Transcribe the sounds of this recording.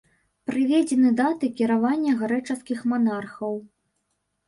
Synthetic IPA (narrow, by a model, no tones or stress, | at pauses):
pɾɨvʲɛd͡zʲɛnɨd̪at̪ɨkʲiɾavanʲːɐɣaɾɛt͡ʂɐskʲixmanarxɐw